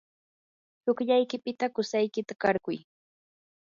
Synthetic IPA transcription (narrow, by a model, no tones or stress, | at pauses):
hʊkʎajkɪpɪt̪akʊsajkɪt̪akɑɾkʊj